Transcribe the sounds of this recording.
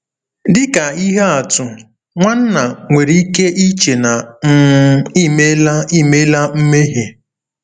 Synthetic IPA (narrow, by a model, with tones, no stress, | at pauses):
dɪ˦ka˨i˦ɦe˦a˨tʊ˨ | ŋʷa˦n̩˦na˨ŋʷe˨ɾi˦i˦ke˦ʔi˦t͡ʃe˨na˨˦ | i˦me˦li˦me˦la˦m̩˦me˦ɦe˨